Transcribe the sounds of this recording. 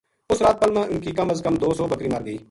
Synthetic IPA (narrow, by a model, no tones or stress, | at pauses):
ʊsɾaːt̪̚pəlmãːʔʊnkiːkəməzkəmd̪oːsɔːbəkɾiːməɾɡəiː